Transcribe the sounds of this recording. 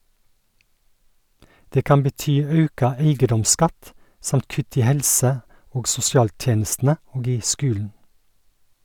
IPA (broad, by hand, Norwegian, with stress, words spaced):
ˈdeː ˈkɑm bəˈtyː ˈɑʉkɑ ˈæɪɡədɔmˌskɑt ˈsɑmt ˈkʉt ˈiː ˈhɛlsə ˈoːɡ sʊsɪˈɑːlˌtjeːnəstn̩ə ˈoːɡ ˈiː ˈskʉːln̩